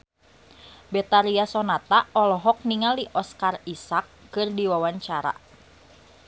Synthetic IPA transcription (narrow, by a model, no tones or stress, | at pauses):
bɛt̪aɾiasɔnat̪aɔlɔɦɔk̚niŋaliʔɔskarisakːɨrdiwawaɲt͡ʃaɾa̰